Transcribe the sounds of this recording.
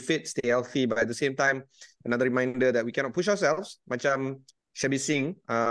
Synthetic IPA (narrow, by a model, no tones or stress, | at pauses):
fit̚stehɛlθibatɛt̚dəsẽmtãɪ̃mənadəɹimãɪ̃ndədɛt̚wikɛ̃nɔt̚puʃaʊəsɛlfsmãt͡ʃãm | ʃɛbisĩŋʌ